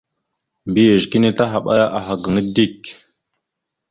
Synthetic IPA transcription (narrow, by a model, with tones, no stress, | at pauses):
mbi˦je˨ʒki˦ni˦ta˦ɦa˨ɓa̰˦ja˦ʔa˨ɦa˨ɡə˨ŋə˦di˦k